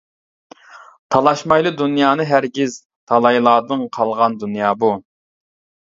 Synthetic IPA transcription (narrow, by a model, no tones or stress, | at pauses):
t̪ʰɑlˠɑʃmɑjlˠɨd̪unjɑːnɨɦæɾɡʲiz | t̪ʰɑlˠɑjlˠɑːd̪ɨŋqʰɑlˠʁɑnd̪unjɑːbu